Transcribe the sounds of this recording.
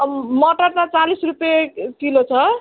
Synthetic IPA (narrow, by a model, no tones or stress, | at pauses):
mʌʈʌrt̪at͡salisrupjek̪ilot͡sʰʌ